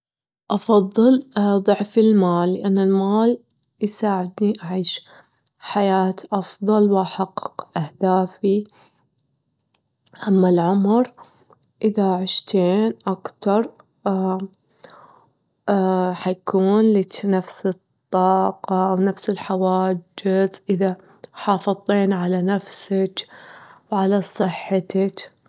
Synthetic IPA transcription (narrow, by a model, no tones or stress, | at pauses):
ʔɑfɑðˤːɨlðˤʊʕfɪlmaːlːɪʔanːɪlmaːl | jsaːʕɪd̪niʔaʕiːʃ | ħajaːt̪ʔɑfðˤɑlwʔaħɑqːqʔahd̪aːfi | ʔamːalʕʊmɾ | ʔɪðaʕɪʃt̪ʰeːnʔakt̪ɑɾˤ | ħajkuːnlɪt͡ʃnafsɨt̪ˤːɑːqɑʔawnafsɪlħawaːd͡ʒɪzʔɪða | ħɑːfɨðˤːeːnʕalanafsak | wʕalasˤɨħːt̪at͡ʃ